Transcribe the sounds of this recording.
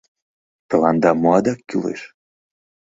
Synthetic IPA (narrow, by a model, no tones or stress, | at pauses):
t̪ə̆lɑnd̪ɑmoɑd̪ɑkːylḛʃ